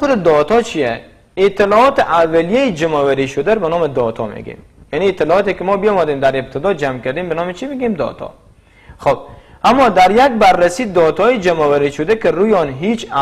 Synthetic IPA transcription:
xod̪ed̪ɔt̪ʰɔt͡ʃʰije | et̪ʰːɪlɔːt̪iʔavːælijeid͡ʒæmɔvæɾiʃod̪æɾbenɔːmɪd̪ɔt̪ʰɒ̰mḛɡḛm | janiet̪ʰːɪlɔːt̪ekimɔbijɒmɔnd̪emd̪æɾeb̚t̪ʰɪd̪ɒd͡ʒæmkʰæɾd̪embenɔmet͡ʃʰimeɡemd̪ɔ̰ːt̪ʰɔ̰ | xob̚ʔamːɔd̪æɾjæk̚bærːæsid̪ɔt̪ʰɔid͡ʒæmɔvæɾiʃod̪ækʰiɾujɔnɦit͡ʃa

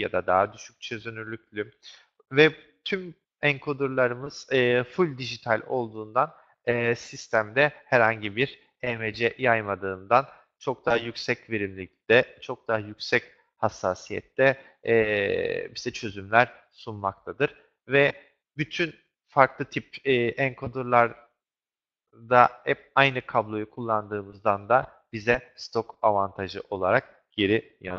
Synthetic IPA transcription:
ja̰d̪ad̪aːad̪yʃyc̚t͡ʃʰø̞zynyɾlʲycʲlʲy | vɛ | t̪ʰym | ænkʰod̪uɾlˠaɾɯmɯz̥ɯːfulʲd̪iʒit̪ʰalʲo̞lˠd̪uːnd̪anː | sist̪ʰæmd̪ɛhæɾhaɲɟibiɾ | ɛmed͡ʒɛjajmad̪ɯːmd̪an | t͡ʃʰo̞k̚d̪aɦajycsɛcve̞ɾimlʲic̚d̪ɛt͡ʃʰo̞k̚d̪̥aɦajycsɛc | hasːaːsijɛ̰t̪ːɛ | bizɛt͡ʃʰø̞zymlʲæɾ | sunmakt̪ʰad̪ɯɾ̥ | vɛ | byt̪ʰyn | faɾklˠɯt̪ʰipːʔænkʰod̪uɾlˠaɾ | d̪ahɛp̚ajnɯkʰablˠo̞jukʰulˠːand̪ɯːmɯzd̪and̪a | b̥izɛst̪ʰo̞kavant̪ʰaʒɯʔo̞lˠaɾak̚ | ɟ̥e̞ɾija

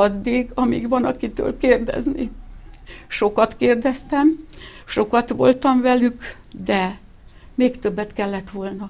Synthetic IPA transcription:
ɒd̪ːiɡɒmiɡʋɒnɒkit̪ø̰ːlkeːrd̪ɛ̰znḭ | ʃo̞kɒt̪keːrd̪ɛst̪ɛmʃo̞kɒt̪ʋo̞̰lt̪ɒmvɛlyk | d̪ɛ | meːkt̪ø̞bːɛt̪kɛlːɛt̪ʋo̞lnɒ

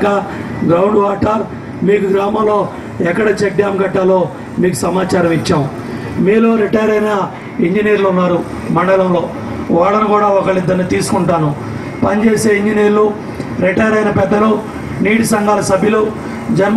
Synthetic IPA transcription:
kaːɡɾɐwɳɖʋaːʈaːɾ | miːkuɡɾaːmaːlo̞ː | ɛkːɐɽɐt͡ʃek̚ɖjaːmɡɐʈːalo̞ː | miːku̥sɐmaːt͡ʃaːɾɐmit͡ʃːaːm | miːloːɾiʈɐjɾɐjnɐ | iɲd͡ʒiniːɾluunːaːɾu | mɐɳɖɐlɐmlo̞ː | ʋaːɭːɐnukuːɽaːɔkɐɭid̪ːɐnːit̪iːsu̥kuɳʈaːnu | pɐnt͡ʃeːse̞ːiɲd͡ʒiniːɾlu | ɾiʈɐjɾɐjnɐpɛd̪ːɐlu | niːʈisɐŋɡaːlɐsɐbʱjilu | d͡ʒɐn

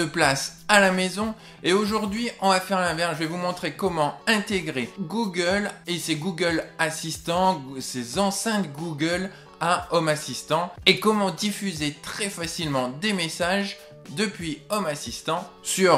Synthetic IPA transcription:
dəplasalamezɔ̃ | eoʒuʁd̪ɥiɔ̃vafɛʁlɛ̃vɛʁʒəvɛvumɔ̃t̪χekɔmɑ̃ɛ̃t̪eɡʁeɡuɡəleseɡuɡəlasist̪ɑ̃sezɑ̃sɛ̃t̪ɡuɡœl | aɔmasist̪ɑ̃ekɔmɑ̃d̪ifyzet̪χɛfasilmɑ̃d̪emesaʒ | d̪əpɥiɔmasist̪ɑ̃sy

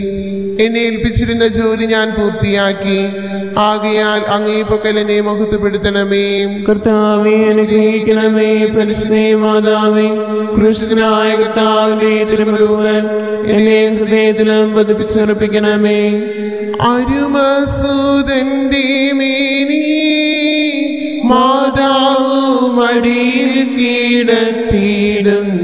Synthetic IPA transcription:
enːeilpit͡ɕːiɾunːɐd͡ʑoːɾiɲaːnpuːrt̪ijaːkːi | aːɣɐjaːlɐŋːiːpɐkːɐlenːemɐɣut̪ːupeɽut̪ːɐɳɐmeːjmkrt̪aːʋiɐnuɡɾɐɦikʲːɐɳɐmeːpɐɾiʂnemaːd̪aːʋi | kɾuʂnaːjɐkɐɾt̪aːʋineːt̪ilɐmɐʋɐn | ḛneːɦɐʋeːd̪ɐnɐmbɐd̪upːit͡ʃːɐɐnupːikʲːɐɳɐmeː | ɐɾumɐsuðɐnd̪imeni | maːd̪aːʋɯmɐɽijjɪlkiːɽɐ | ʈ̪iːɽum

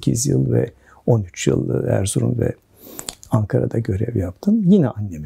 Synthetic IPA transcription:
cʰizjɯlˠvɛ | o̞nyt͡ʃjɯ̰lˠːɯæɾzoɾṵnvɛ̰ | aŋkʰaɾa̰d̪aɟøhɾɛvjapt̪ʰɯmjinɛʔanːem

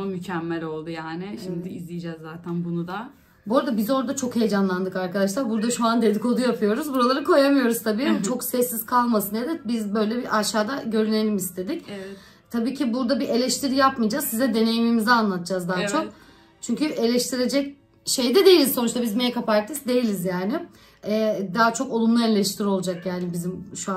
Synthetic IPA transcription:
mycʰæmːɛlʲo̞lˠd̪ujaːnɪʃimd̪ɪizlʲijd͡ʒɛzːaːt̪ʰænbunud̪a | buɾd̪abizo̞ɾd̪at͡ʃʰo̞khe̞d͡ʒanlˠand̪ɯkaɾkad̪aʃlˠaɾbuɾd̪aʃuand̪e̞d̪iko̞d̪ujapʰɯjo̞ɾuzbuɾalˠaɾɯko̞jamɯjo̞ɾuzt̪ʰabiːt͡ʃʰo̞ksɛsːiz̥kʰalˠmasɯneɾɛt̪̚bizbø̞jlʲɛbiʔaʃaːd̪aɟø̞ɾynemimisd̪e̞d̪icɛ | t̪ʰabiːcʰibuɾd̪abiʔe̞lʲɛʃt̪ʰiɾijapmɯjd͡ʒazsizɛd̪e̞ne̞jimimizɛanlˠat̪̚d͡ʒazd̪aːt͡ʃʰo̞k̚ | t͡ʃʰyɲcyʔe̞lʲɛʃt̪ʰiɾe̞d͡ʒɛc̚ | ʃe̞jd̪ɛd̪e̞jilʲizso̞nut͡ʃʃt̪abizmejkapaɾt̪ʰisd̪e̞jilʲizjaːnɪ | ɛːd̪aːat͡ʃʰo̞ko̞lˠumlˠaelʲɛʃt̪ʰiɾio̞lˠud͡ʒakjaːnɪbizimʃua

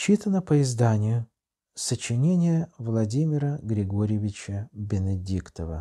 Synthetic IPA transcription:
t͡ɕːit̪ənəpəɪzd̪anʲɪjʊ | sət͡ɕɪnʲenʲɪjəvlˠɐdʲimʲɪɾəɡɾʲɪɡoɾʲɪjɪvʲɪt͡ɕəbʲɪnʲɪdʲikt̪əvə̰

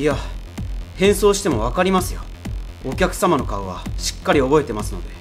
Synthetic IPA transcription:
ia | hẽ̞ɰ̃so̞ːɕi̥t̪e̞mo̞βakaɾʲimasɨjo̰ | okʲakɯ̟̥samano̞kaɯβa̰ɕi̥kːaɾʲio̞bo̞e̞t̪e̞masɨno̞̰d̪e̞

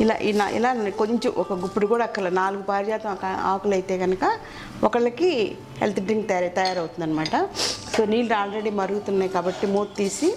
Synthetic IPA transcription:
ila̰ːʔḭna̰ʔḭlaːnkoɲt͡ʃuʔɔkɐɡupːuɽukuːɽaːkːɐɭɐnaːluɡupaːɾd͡ʒaːt̪ɐmkɐa̰ːkɐlɐjit̪e̞ːɡɐnɐkɐ | ɔkɐɭɐki | hḛlt̪ʰɖɾiŋɡt̪ɐt̪ɐjaːɾɐwt̪und̪ɐnimaːʈɐso̞ːniːlɾaːlɾeɽiːmɐɾuɡut̪unːaːjkaːbɐʈːimoːt̪t̪ːiːsi

